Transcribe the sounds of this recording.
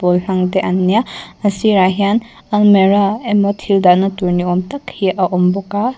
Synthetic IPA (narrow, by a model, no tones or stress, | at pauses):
pɔlɬaŋdeʔanːijaɐsiɾaɦijan | almeɾaemɔtʰhildanɐtuɾniɔmtakʰijaʔɐʔɔmbɔka